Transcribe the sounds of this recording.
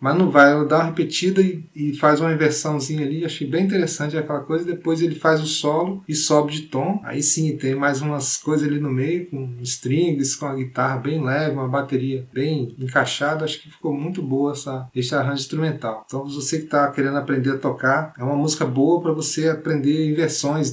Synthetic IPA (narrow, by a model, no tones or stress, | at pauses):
mɐznɐ̃w̃vajɛlɐd̪aũɐɦepet͡ʃid̪ɐɪ | ɪfazũmɐĩveɾsɐ̃w̃zĩɲɐaliaʃejbẽj̃ĩt̪̬eɾesɐ̃t͡ʃɪɛakɛlɐkojzɐɪd̪epojzelɪfajzʊsɔlʊɪsɔbɪd͡ʒɪt̪õa̰isĩt̪ẽj̃majzũmɐskojzɐzalinʊmejʊkõɪst̪ɾĩɡɪskõɐɡit̪aɦɐbẽj̃lɛvɪũmɐbat̪eɾiɐbẽj̃ẽkaʃad̪ɐaʃʊ̥kɪfi̥komũj̃t̪ʊbowɐɛsaest͡ʃɪaɦɐ̃ʒɪĩst̪ɾumẽnt̪awt̪ɐ̃w̃vosekɪ̥t̪akeɾẽnd̪ʊapɾẽnd̪eɾɐt̪okaɾɛũmɐmuzikɐbowɐpɾɐvoseapɾẽnd̪eɾĩveɾsõj̃s